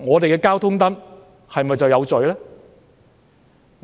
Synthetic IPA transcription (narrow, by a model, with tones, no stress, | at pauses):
ŋɔː˨˧t̪e˨jkɛː˧kaː˥wt̪ʰʊ˥ŋt̪ɐ˥n | hɐ˨jmɐ˨jt͡sɐ˨wjɐ˨˧wt͡sɵ˨ɥlɛː˥